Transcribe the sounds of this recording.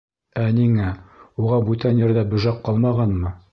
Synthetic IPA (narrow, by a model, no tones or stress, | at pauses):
æniŋæuʁɑbʉt̪ænjɘ̆ɾd̪æbɵ̆ʒɑqːɑlˠmɑʁɑnmɤ